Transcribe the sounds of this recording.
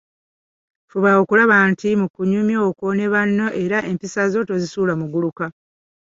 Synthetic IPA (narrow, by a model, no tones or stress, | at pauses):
fuβaokulaβantimukuɲumjoːkone̞βanːo̞ʔe̞ɾaʔe̞mpisazo̞tozisuːlamuɡuluka